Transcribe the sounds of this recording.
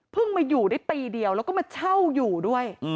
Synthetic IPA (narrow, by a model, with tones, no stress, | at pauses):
pʰɯ˥˩ŋmaː˧juː˨˩daː˥˩jt̪iː˧di˧əwlɛ˦˥kɔː˥˩ma˧t͡ɕʰa˥˩wjuː˨˩du˥˩əj